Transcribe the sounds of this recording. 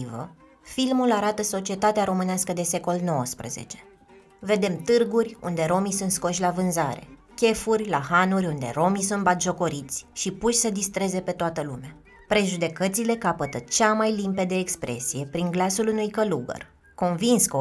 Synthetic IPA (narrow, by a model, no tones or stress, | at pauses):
ivə̰ | filmulaɾat̪əso̞t͡ʃiet̪at̪eaɾo̞mɨneaskəd̪e̞se̞ko̞lno̞wəspɾə̰ze̞̰t͡ʃe̞̥ | ve̞d̪e̞mt̪ɨrɡurʲṵnd̪e̞ɾo̞misunt̪sko̞ʃʲlavɨnzaɾe̞̰ | kʲe̞furʲlahanurʲund̪e̞ɾo̞misunt̪̚bat̪ʒo̞ko̞ɾit̪sʲʃipuʃʲsəd̪ist̪ɾe̞ze̞pe̞t̪oat̪əlumea | pɾe̞ʒud̪e̞kət̪sile̞kapət̪ət͡ʃamajlimpe̞d̪eːkspɾʔe̞̰sije̞pɾiŋɡlasulunujkəluɡə̰r | ko̞nvinsko